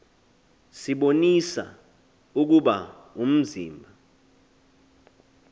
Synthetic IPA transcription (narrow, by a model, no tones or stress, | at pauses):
siɓonisa̰ | uk̬uɓa | um̩zḭːmbʱa